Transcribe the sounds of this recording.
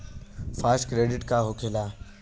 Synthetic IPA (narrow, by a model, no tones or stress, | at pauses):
faːskɾeːɖɪʈkaɦokʰelaː